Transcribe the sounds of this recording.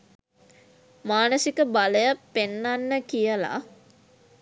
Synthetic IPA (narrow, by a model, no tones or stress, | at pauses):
maːnəsikəbaləjapenːanːəkijəla̰